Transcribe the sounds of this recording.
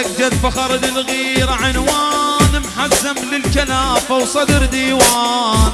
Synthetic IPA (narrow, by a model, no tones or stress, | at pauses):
aɡd͡ʒad̪baxɑɾˤɪd̪ɪlɣiːɾaʕɪnwaːnɪmħazːamlɪlkalaːfawsˤɑd̪ɾd̪iːwaːn